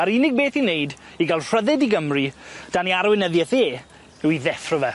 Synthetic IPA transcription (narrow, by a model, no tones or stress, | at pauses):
aɾɪnɪɡ̚beːθinejd | iɡalˠr̥əðɛdiɡəmrid̥aniaɾwɪnəðjɛθeː | ɛwiðɛfrəvɛ